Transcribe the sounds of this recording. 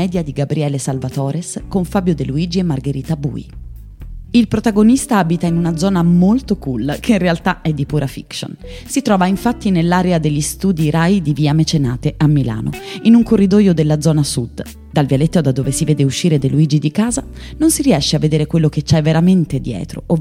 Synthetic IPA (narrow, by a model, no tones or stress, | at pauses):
ɛːd̪jad̪iɡabɾiɛːlesalvat̪ɔːɾeskoɱfaːbjod̪eluiːd͡ʒiemːarɡeɾiːt̪abṵːḭ | ilpɾot̪aɡonist̪aabit̪ainunad̪zɔːnamolt̪okulkʰeinrealt̪aɛd̪ːipuːɾafḭkso̰n | sit̪ɾɔːvaiɱfat̪ːinelːaːɾead̪eʎːist̪uːd̪iɾajd̪iviamet͡ʃenaːt̪eʔamːila̰ːno̰inuŋkorːid̪ɔːjod̪elːad̪zɔːnasud̪ | d̪alvjalet̪ːod̪ad̪ːoːvesiveːd̪euʃːiːɾed̪eluiːd͡ʒid̪ikaːza | nonsiɾiɛʃːeavːed̪eːɾekwelːok̟et͡ʃːajveɾament̪ed̪jɛ̰ːt̪ɾo̰ʔo